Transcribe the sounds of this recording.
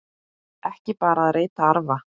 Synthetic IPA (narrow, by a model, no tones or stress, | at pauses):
ɛhcɪpaːɾaːðɾeːjt̪aaɾva